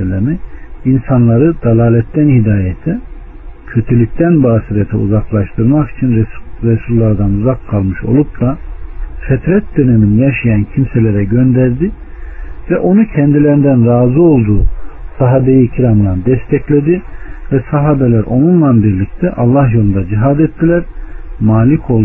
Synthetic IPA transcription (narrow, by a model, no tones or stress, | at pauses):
lʲemiinsanlˠaɾɯd̪alˠaːlʲɛt̪ːænhid̪aːjɛt̪ʰɛ | cʰø̞t̪ʰelʲic̚t̪ʰænbaːsiɾet̪ʰɛ̰ṵzaklˠaʃt̪ʰɯɾmaki̥t͡ʃʰinɾɛsulʲːˠaɾd̪anuzakʰːalˠmɯʃo̞̰lˠup̚d̪afɛt̪ʰɾɛt̪̚d̪øneminijaʃajancʰimselʲeɾɛɟø̞nd̪æɾd̪i | vɛʔo̞nucʰɛnd̪ilʲeɾind̪ænɾaːzɯo̞lˠd̪uːsaɦaːbe̞jicʰiɾamlˠand̪ɛst̪ʰɛclʲed̪ivɛsaɦaːbelʲæɾo̞nunlˠanbiɾlʲic̚t̪ʰɛʔalˠːahjo̞lˠund̪ad͡ʒiɦad̪ɛt̪ʰːilʲæɾmaːlʲikʰo̞lˠ